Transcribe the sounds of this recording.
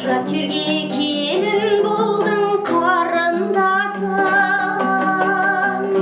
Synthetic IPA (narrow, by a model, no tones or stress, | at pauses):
ɾɑt͡ʃʰiɾɡʲekʲʰe | lɪnbolˠd̪əŋqʰɑɑɾənd̪ɑsɑ